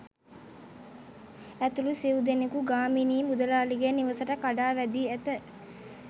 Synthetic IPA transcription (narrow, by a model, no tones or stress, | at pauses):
æt̪ulusiwud̪enekuɡaːminiːmud̪ɐlaːliɡeniʋəsəʈəkaɖaːʋæd̪iːæt̪ə